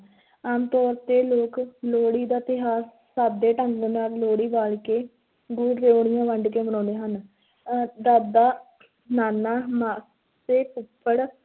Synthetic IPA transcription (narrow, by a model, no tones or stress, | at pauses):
aːmt̪ɔːɾt̪eːloːkloːɽiːd̪aːt̪ɪɦaːs | sab̚d̪eːʈəŋɡdnaːlloːɽiːʋaːlkeː | ɡʊːɖɾeːoːɽ̃ɪjãːʋəɳɖkeːbənɔ̃ːd̪eːɦən | d̪aːd̪aː | naːnaːmaː | seːpʊpʰːəɽ